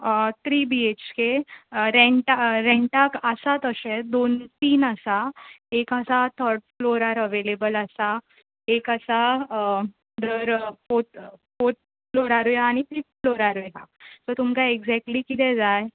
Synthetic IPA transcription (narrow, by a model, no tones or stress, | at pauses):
t̪ɾiːbiet͡ɕkeɾɛɳʈaɾɛ̃ɳʈakəsat̪əɕɛd̪ont̪iːnəsaekəsat̪ʰəɾɖ̚floɾaɾəʋelebələsa | ekəsa | d̪əɾfot̪fot̪̚ | floɾaɾujaːñifip̚floɾaɾujɦa̰sot̪umkaeɡd͡zɛk̚ʈlikit̪ɛ̃d͡zaj